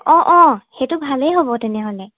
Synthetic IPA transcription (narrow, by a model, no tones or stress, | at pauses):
ɔ̃ʔɔ̃xetʊbʱalejɦobɔtɛnɛɦolɛ